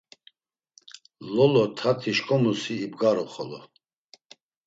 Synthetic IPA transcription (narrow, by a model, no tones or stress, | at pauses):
lɔlɔt̪ʰat̪ʰiʃkʼɔmusiːbɡaɾɔχɔlɔ